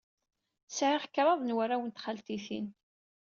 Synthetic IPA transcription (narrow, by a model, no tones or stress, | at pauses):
sʕɪʁəkːɾˤɑðˤnwæɾæwənt̪χalt̪iθḭn